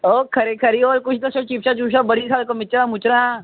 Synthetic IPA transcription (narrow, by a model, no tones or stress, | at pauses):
oːkʰɐɾekʰɐɾioːɾkʊt͡ʃʰd̪ɐsot͡ʃiːpt͡ʃat͡ʃuːʃ̬abɐɽ̤ikʰaːlkomɪt͡ʃɾamʊt͡ʃɾã